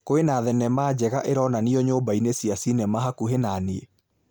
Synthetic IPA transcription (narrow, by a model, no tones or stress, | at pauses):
koenaːðɛnɛmaːd͡ʑɛɣaʔeɾɔnaniɔɲoːbainesiasinɛmaɦakuɦenanee